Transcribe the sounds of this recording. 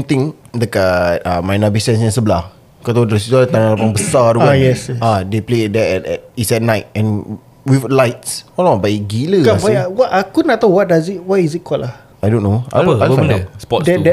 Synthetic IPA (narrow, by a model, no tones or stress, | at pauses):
mt̪ĩŋləkat̚amajnabisɛ̃nsɛ̃nsəbəlah | kat̪adəɾɛsitalat̪ãnalapãŋbəsaɾuɡajɛsɛadepledɛʔɛtɛt̚isɛt̚naɪt̚ɛ̃n | wiflajtsɔlãbajɡiləawajwɔakunat̪aʊwɔt̚dazit̚wajizit̚kɔlah | ajdõnːoabəafãndəspɔtdɛdɛ